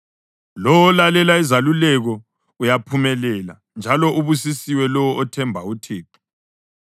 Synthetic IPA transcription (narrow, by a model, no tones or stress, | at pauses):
lɔwɔlalɛlaizalulɛɣɔ | ujapʰumɛlɛla̰ | nd͡ʒʱalɔʔuβusisiwɛlɔwɔʔɔtʰɛmbʱautʰeːǁi̥